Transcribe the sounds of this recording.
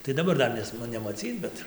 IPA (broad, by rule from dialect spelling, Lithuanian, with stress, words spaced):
tɐɪ dɐˈbɐr ˈdɐr nʲɛs nʊ nʲɛmɐˈt͡sʲiːt͡s ˈbʲɛt